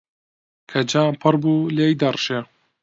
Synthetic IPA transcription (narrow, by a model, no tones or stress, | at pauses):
kʰɐd͡ʒaːnpʰɨɾbuːlejd̪ɐrʃe